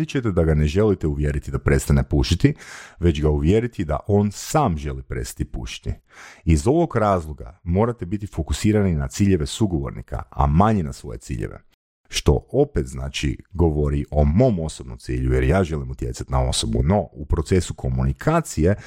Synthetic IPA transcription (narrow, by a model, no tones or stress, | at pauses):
it͡ʃet̪ed̪aɡane̞ʒe̞lit̪euʋjeɾit̪id̪apɾest̪anepuʃit̪iʋe̞t͡ɕɡauʋje̞ɾit̪id̪a̰ʔo̞nsaːmʒe̞lipɾe̞t̪st̪ḁt̪ipuʃi̥t̪i | izo̞ʋo̞ɡɾaːzlˠoɡa̰mo̞ːɾat̪ebit̪ifo̞kusiːɾaninat̪siːʎe̞ʋe̞suɡo̞ʋo̞̰ɾnḭkʰa̰a̰maɲenasʋo̞̰je̞̰t̪sḭːʎḛʋḛ | ʃt̪o̞̰o̞pet̪zna̰ːt͡ʃḭɡo̞ʋoɾiʔo̞mo̞ːmo̞so̞bnomt̪ḭːʎujeɾjaːʒe̞limut̪je̞̰tsat̪inao̞̰so̞bṵno̞upɾo̞t̪se̞sukʰo̞munikʰaːt̪sije̞